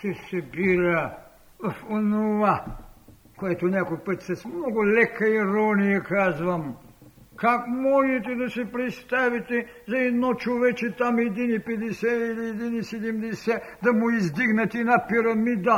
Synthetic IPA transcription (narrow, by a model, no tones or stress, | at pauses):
t̪ɛsɛbiɾɐ | fonova | koɛt̪onʲakojpət̪sɛsmnɔɡʊlɛkɐiɾɔnijɐkazvɐm | kakmɔʒɛt̪̬ɛd̪ɐsɛpɾɛt̪st̪avit̪ɛzɐɛd̪nɔt͡ʃovɛt͡ʃɛt̪amɛd̪inipɛd̪ɛsɛiliɛd̪inisɛd̪ɛmd̪ɛsɛd̪ɐmʊizd̪iɡnɐt̪inapiɾɐmid̪ɐ